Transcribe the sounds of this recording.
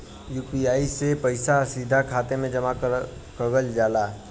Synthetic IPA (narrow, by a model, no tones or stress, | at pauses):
juːpiaːisepɐɪsasiːd̪ʱakʰaːt̪emẽd͡ʒɐma | kəɡəld͡ʒaːlaː